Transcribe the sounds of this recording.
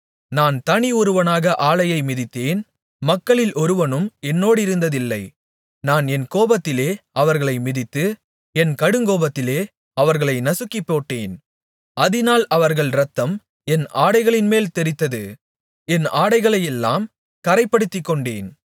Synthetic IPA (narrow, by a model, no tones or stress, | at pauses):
naːnt̪ɐɳɪɔɾɯʋɐnaːɣɐʔaːɭɐjɐɪmɪðɪt̪ːeːn | mɐkːɐɭɪlʔɔɾɯʋɐnɯmɛnːoːɽɪɾɯnd̪ɐðɪlːɐ̰ɪ | naːnɛnkoːbɐt̪ːɪleːɐʋɐɾɣɐɭɐɪmɪðɪt̪ːɯ | ɛnkɐɽɯŋɡoːbɐt̪ːɪleː | ɐʋɐɾɣɐɭɐɪnɐsɯkːipːoːʈːeːn | ɐðɪnaːlɐʋɐɾɣɐɭɾɐt̪ːɐm | ɛnaːɽɐɪɣɐɭɪnmeːlt̪ɛɾɪt̪ːɐðɯ | ɛnaːɽɐɪɣɐɭɐjɛlːa̰ːm | kɐɾɐɪpːɐɽɯt̪ːɪkːɔɳɖḛːn